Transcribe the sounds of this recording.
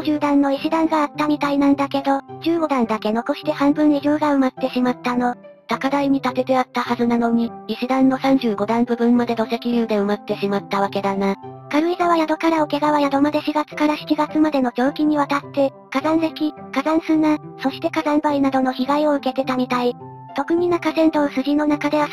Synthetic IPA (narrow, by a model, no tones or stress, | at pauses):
ʑɨːd̪ãnːo̞iɕid̪ãŋɡaːt̪ːamʲit̪ainãnd̪ake̞d̪o̞d͡ʑɨːɡo̞d̪ãnd̪ake̞no̞ko̞ɕi̥t̪e̞hãmbɯ̟̃nɾʲiɡʲo̞ːɡaɯ̟mat̪ːe̞ɕimat̪ːano̞ | t̪akad̪aiɲ̟it̪at̪e̞t̪e̞at̪ːahazɨnano̞ɲ̟iiɕid̪ãnːo̞sãɲ̟d͡ʑɨːɡo̞d̪ãmbɯ̟bɯ̟̃mːad̪e̞d̪o̞se̞kʲiɾɯ̟ːd̪e̞ɯ̟mat̪ːe̞ɕimat̪ːaβake̞d̪anakaɾɯ̟izaβajad̪o̞kaɾaoke̞ɡaβajad̪o̞mad̪e̞ɕiɡat͡sɨ̥kaɾaɕi̥kiɡat͡sɨmad̪e̞no̞d͡ʑo̞ːkʲiɲ̟iβat̪at̪ːe̞ | kazãɰ̃se̞kʲi | kazãɰ̃sɨnaso̞ɕi̥t̪e̞kazãmbainad̪o̞no̞çiɡaio̞ɯ̟ke̞t̪e̞t̪am̟ʲit̪ai | t̪o̞kɯ̟mʲinakasẽ̞nt̪osɨɡʲino̞nakad̪e̞βa